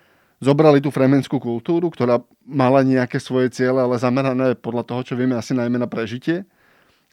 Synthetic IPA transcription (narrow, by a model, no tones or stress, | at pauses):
zɔbɾalit̪̬uːfɾɛmɛnskuːkult̪uːɾukt̪ɔɾaː | malaɲɛakɛːsʋɔjɛt͡sɪɛlɛalɛzamɛɾanɛːpɔd̪ʎat̪ɔɦɔt͡ʃɔʋɪɛmɛasinajmɛnapɾɛʒicɪɛ